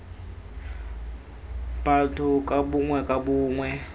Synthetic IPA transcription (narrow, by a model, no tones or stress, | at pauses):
b̥atʰukʼabuŋwɛkʼabuːŋwɛ